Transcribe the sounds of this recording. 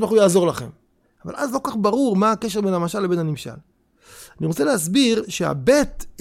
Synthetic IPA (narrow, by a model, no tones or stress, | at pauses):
baχujaːzo̞ʁlaχe̞m | ava̰lʔazlo̞kaχbaʁuʁmaːkeʃ̬ebenhamaʃalːebe̞nhanimʃa̰l | aniʁo̞t͡seleɦas̬biʁʃea̰bet